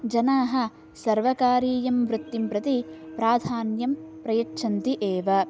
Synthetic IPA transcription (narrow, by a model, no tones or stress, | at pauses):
d͡ʒɐnaːɦɐ̆ | sɐɾʋɐkaːɾiːjɐmʋɾut̪ːimpɾɐt̪ipɾaːd̪ʱaːnjɐmpɾɐjɐʈʂʰɐnt̪iʔeːʋɐ